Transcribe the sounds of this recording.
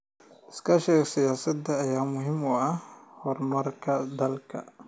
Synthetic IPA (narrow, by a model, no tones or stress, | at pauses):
ʔɪskʰɐʃɛːɡsɪjaːsɐd̪ɐːjaːmʊɦɪmʊɐhɔrmɐrkʰɐd̪ɐlkʰɐ̰